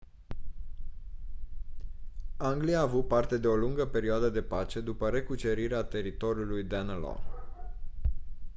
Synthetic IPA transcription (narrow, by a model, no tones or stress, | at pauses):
aŋɡlijaːvut̪̚part̪e̞d̪e̞o̞luŋɡəpe̞ɾioad̪əd̪e̞pat͡ʃe̞d̪upəɾe̞kut͡ʃe̞ɾiɾeat̪e̞ɾit̪o̞ɾjulujd̪anlo̰